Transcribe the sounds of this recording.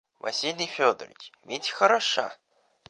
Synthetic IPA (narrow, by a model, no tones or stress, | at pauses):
vɐ̰sʲilʲijfʲod̪ərʲḭt͡ʃmʲitʲxɐɾɐʂa̰